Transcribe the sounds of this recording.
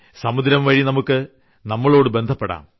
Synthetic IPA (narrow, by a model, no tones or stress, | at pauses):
sɐmud̪ɾɐmʋɐɻinɐmukːɨ | nɐmːɐɭo̞ːɽɨbe̞nd̪ʱɐpːeɽa̰ːm